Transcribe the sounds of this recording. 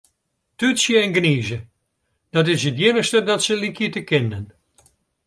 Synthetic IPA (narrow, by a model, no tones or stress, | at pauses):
tytsjəɛnɡniːzə | d̥ɑtɪsɦətjɪnəstədɑtsəlikjətəkɪnən